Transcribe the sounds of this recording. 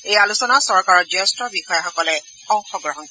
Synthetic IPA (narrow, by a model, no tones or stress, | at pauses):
ejalusɔnasɔɹkaɹɔd͡ʒɛstɹɔbixɔjaxɔkɔlɛ | kɔŋxɔɡɹɔɦɔn